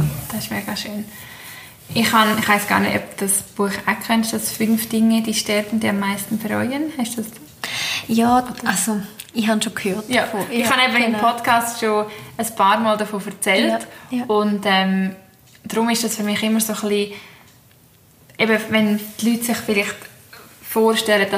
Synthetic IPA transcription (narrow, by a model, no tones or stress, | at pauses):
d̥ɑsɪʃmeːɡ̥ɑʃøːn | ʔɪχhɑnɪχʋaɪsɡ̥ɑ̰ːɾnḛtœ̰p̚d̥ɑsb̥uəχakʰœnʃtd̥ɑsfʏnfd̥ɪŋːəd̥iːʃtɛɾtn̩d̥iːɑmːaɪstn̩fɛɾɔjənhaɪstd̥usd̥u | jaːsoɪhɑnʃokʰhøːtjafoɪχhɑnɛbəɪmpʰɔtkʰɑːstʃoəspʰɑːɾmɔːldɐfoːfɛɾt͡sɛltʊntɛm | d̥ɾʊmɪʃd̥ɑsfyɾmɪχɪmːəɾsoχliː | ʔɛbəvɛntlyːtsɪχfɪlɪχt | foːɾʃtɛlədd̥ɑ